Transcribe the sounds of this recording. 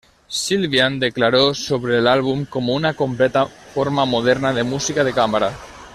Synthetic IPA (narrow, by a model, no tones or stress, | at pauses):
silβiand̪eklaɾosoβɾeːlalβumkomunakomplɛt̪afoɾmamoð̞ɛɾnaðemusikaðekamaɾa